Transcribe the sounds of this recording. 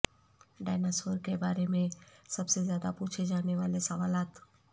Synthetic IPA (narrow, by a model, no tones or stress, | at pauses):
ɖaːnaːsoːɾkebaːɾemẽsɐbsezjaːd̪apuːt͡ʃʰed͡ʒaːneʋaːlesɐʋaːlaːt̪